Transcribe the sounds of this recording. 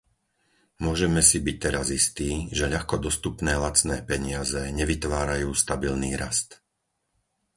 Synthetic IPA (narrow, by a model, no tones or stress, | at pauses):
mʊɔʒɛmɛsibic̚t̪ɛɾazist̪iːʒɛʎaxkɔd̪ɔst̪upnɛːlat͡snɛːpɛɲɪazɛɲɛʋit̪ʋaːɾajuːst̪abilniːɾast̪